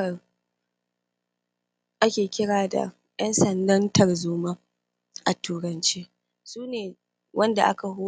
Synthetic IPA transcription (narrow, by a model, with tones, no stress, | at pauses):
ɐ˨ | ʔa˦kʲeː˨kʲɪ˦ɽaː˨da̰˨ | jɐ˦nsɐ˨ndɐ˦ntʰɐ˨rzuː˦ma˦ | ʔa˨tuː˨ɾɐ˨nt͡ʃeː˦ | suː˦neː˨ | wʔɐ˦nda̰˨ʔa˦ka˨ɦʊ˦